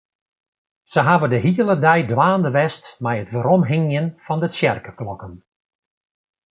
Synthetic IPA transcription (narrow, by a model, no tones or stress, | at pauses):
səɦaʋədəɦiəlˠədɛjdʋaːndəʋɛstmɛjətʋəɾɔmɦɪŋjənfɑndəsjɛrkəklɔkən